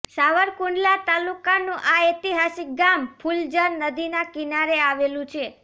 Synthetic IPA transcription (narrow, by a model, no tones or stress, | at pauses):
saʋəɾkuɳɖlat̪alukanũʔaet̪iɦasik̚ɡampʰuld͡ʒənːəd̪inakinaɾeaʋelũt͡ʃʰe